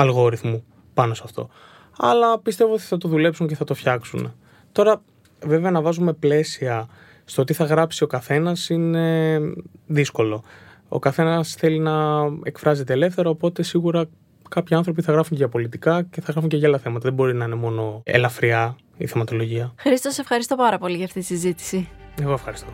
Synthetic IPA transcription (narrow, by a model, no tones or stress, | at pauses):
ɐlɣo̞ɾiθmu | pɐno̞sɐft̪o̞̰ | ɐ̰lɐpist̪e̞vo̞ot̪i̥θɐt̪o̞ðule̞psuɲce̞θɐt̪ofçɐksune | t̪o̞ɾɐ | ve̞ve̞ɐnɐvɐzume̞ple̞siɐ | st̪oot̪iθɐɣɾɐpsio̞kɐθe̞nɐsine̞ | ðisko̞lo̞ | o̞̰kɐθe̞nɐsθe̞linɐekfɾɐze̞t̪e̞ːle̞fθe̞ɾoːpo̞t̪e̞siɣuɾɐ | kɐpçiɐnθɾo̞p̬iθɐɣɾɐfuɲʝɐpo̞lit̪ikɐce̞θɐɣɾɐfuɲceʝlɐθe̞mɐt̪ɐðe̞bo̞ɾinɐine̞mo̞no̞ḛlɐfɾiɐ | ḭθemɐt̪o̞lo̞ʝiɐxɾist̪ose̞fxɐɾist̪o̞pɐɾɐpo̞liʝɐft̪it̪i̥sizit̪i̥sieɣo̞efxɐɾist̪o̞